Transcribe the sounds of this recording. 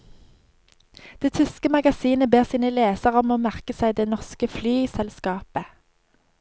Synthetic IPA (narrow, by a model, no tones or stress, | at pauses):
d̪̥eːt̪ʰʏskəmɑɡɑsiːnəbeːʁsiːnəleːsəʁɔmoːmæʁkəsæɪd̪eːnɔʁskəflyːsɛlskɑːpə